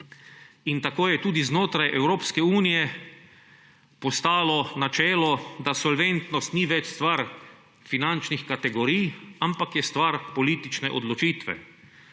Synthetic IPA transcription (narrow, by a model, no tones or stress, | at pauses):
int̪akoːjɛt̪uːd̪iznoːt̪ɾajʔɛwɾoːpskɛuːnijɛ | pɔst̪aːlɔnat͡ʃɛːlɔd̪asɔlʋent̪nɔst̪niʋɛt͡ʃst̪ʋaɾ | finant͡ʃnixkat̪ɛɡɔɾijampakjɛst̪ʋaɾpɔliːt̪it͡ʃnɛʔɔ̰d̪lɔt͡ʃiːt̪ʋɛ̰